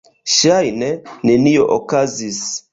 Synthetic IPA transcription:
ʃajnɛnenioʔokazis

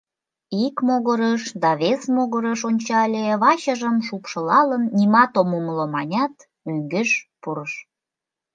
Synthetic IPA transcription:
ikmoɣəɾəʃd̪ɑβesmoɣəɾəʃonʲt͡ɕɑlʲeβɑɕəʒəmʃupʃə̆lɑlənːimɑt̪omumlomɑnʲɑt̪ | yŋɡĕʃpuɾəʃ

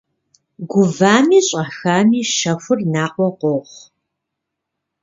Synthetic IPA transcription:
ɡʷʊvaːmiːɕʼɐxaːmiːʃɐfʷʊrnaːqʷɔqʷɔʁʷ

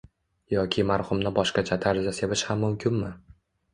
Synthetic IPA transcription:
jɒkʲʰɪmaɾhʊmnɪbɒʃqat͡ʃʰat̪ʰaɾzasevɪʃhamːʊmkʲɪnmɪ

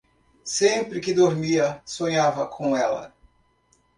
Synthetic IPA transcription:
sẽmpɾɪkɪd̪oɾmiɐsõɲavɐkʰõw̃ɛlɐ̰

